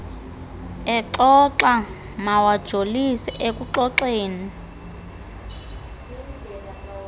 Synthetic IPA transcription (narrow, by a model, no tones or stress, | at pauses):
ɛǁɔǁa | mawad̥ʒ̥ʱolisiʔek̬ʼuǁɔǁeːni